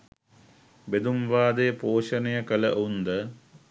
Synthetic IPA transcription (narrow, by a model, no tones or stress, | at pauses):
bed̪umʋaːd̪ejəpoːʃənejəkələʔund̪ə